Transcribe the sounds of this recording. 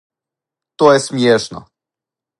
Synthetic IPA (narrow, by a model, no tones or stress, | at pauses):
t̪ɔjɛst̪mʲjɛʂnɔ̰